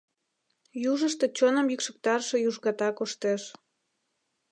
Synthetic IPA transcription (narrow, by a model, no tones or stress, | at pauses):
juʒəʃt̪et͡ɕonəmjykʃək̚t̪ɑrʃejuʒɣɑt̪ɑkoʃt̪eʃ